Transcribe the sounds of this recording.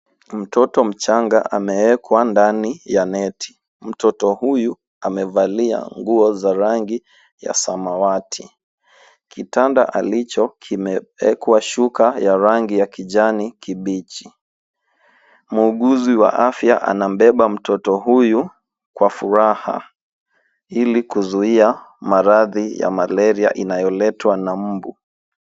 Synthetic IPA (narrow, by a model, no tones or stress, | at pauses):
m̩tɔtɔm̩t͡ʃaŋɡa̰ʔamɛwɛkʰwandanijanɛtʰi̥ | m̩tɔtɔhuju | amɛvalia̰ŋɡuɔzaɾaŋɡi | ja̰samawatʰi | kitanda̰ʔalit͡ʃɔkʰimɛwɛkwaʃukajaɾaŋɡijakiʄanikiɓit͡ʃi | muːɠuziwa̰ʔafjaʔa̰nam̩ɓɛɓam̩tʰɔtɔɦuju | kwafuɾaha̰ | ilikuzuiamaɾaðija̰malɛɾia̰ʔinajɔlɛtwanam̩bu